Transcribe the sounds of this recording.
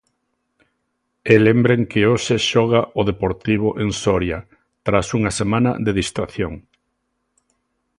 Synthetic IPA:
elembɾeŋkɪoʃeʃɔɣaʊðepoɾt̪iβ̞ʊʔeŋsɔɾja | t̪ɾasuŋasemãnɐ̰ðeðist̪ɾaθjoŋ

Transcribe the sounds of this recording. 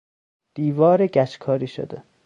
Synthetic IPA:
d̪̥iːvɒːɾeɡæt͡ʃkʰɒːɾiːʃo̰d̪e

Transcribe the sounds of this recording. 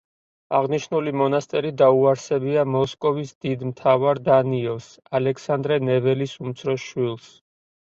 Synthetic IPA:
aʁniʃnulimɔnast̪ʼɛɾid̪auaɾsɛbiamɔskʼɔvisd̪id̪mt̪ʰavaɾd̪aniɔvs | alɛksand̪ɾɛnɛvɛlisumt̪sʰɾɔʃwilˠs

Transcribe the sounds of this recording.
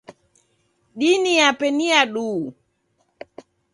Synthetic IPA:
ɗiniapɛniaɗuː

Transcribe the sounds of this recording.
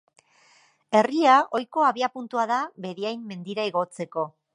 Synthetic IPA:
e̞riao̞jko̞aβiapunt̪uaðaβe̞ðiajmːe̞nd̪iɾaiɣ̞o̞t͡se̞ko̞

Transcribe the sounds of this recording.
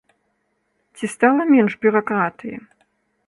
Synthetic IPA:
t͡sʲist̪alˠɐmʲɛnʐbʲuɾakɾat̪ɨjḭ

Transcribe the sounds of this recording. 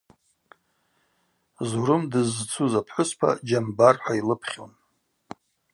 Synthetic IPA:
zuɾɨmdɨzt͡sʰuzapʰħʷʊspʰa̰d͡ʒambarħʷailɨpʰχʲo̰n

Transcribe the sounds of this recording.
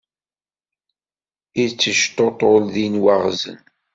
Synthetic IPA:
it͡sːəʃt̪ot̪ˤolðinwaʁzə̰n

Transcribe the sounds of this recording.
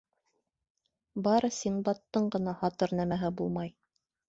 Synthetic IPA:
bɑɾɤsinbɑt̪ːɤɴɢɤ̆nɑhɑt̪ɤɾnæmæɦɘbulˠmɑj

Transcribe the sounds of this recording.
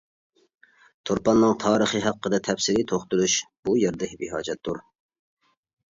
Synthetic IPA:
t̪ʰoɾpɑnːɨŋt̪ʰɑːɾəχəɦɑqʰːəd̪ɨt̪ʰɛfsɪlɪt̪ʰoχt̪ulˠuʃb̥ujeɾd̪ɛhɪbiɦɑ̰ːd͡ʒɛt̪d̪ːuɾ

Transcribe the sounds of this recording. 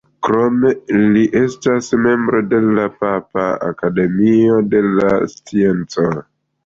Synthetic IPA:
kɾome̞liʔe̞stasme̞mbɾo̞de̞lapapaa̰kade̞mio̞de̞last͡sie̞nt͡so̞

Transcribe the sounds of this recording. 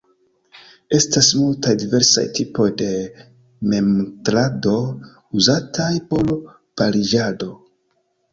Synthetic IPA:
e̞stasmultajdive̞ɾsa̰jtʰipo̞jde̞ | me̞mtɾado̞ | uzatʰajpo̞l | palid͡ʒado̞

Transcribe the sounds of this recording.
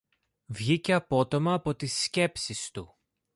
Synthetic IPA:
vʝiceɐpo̞t̪o̞mɐːpo̞t̪isce̞psist̪u

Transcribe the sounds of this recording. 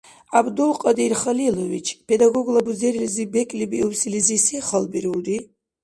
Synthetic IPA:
abd̪ulˠqʼad̪iɾχalilɔvit͡ʃʰpʰɛd̪aɡɔɡlˠabuzɛɾilizibɛkʼlibiuwsilizisiχalbiɾuld̪i

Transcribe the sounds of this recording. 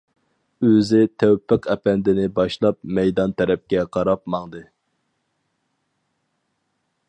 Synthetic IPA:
øzɪt̪ʰæwpʰːɪqʰɛpɛnd̪ɪnɪbɑʃlˠɑp̚mɛjd̪ɑnt̪ʰɛɾɛp̚kʲɛqʰɑɾɑpmɑŋd̪ɨ

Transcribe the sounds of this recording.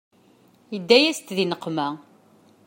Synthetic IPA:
jəd̪ːæjæst̪ðinəqːmæ

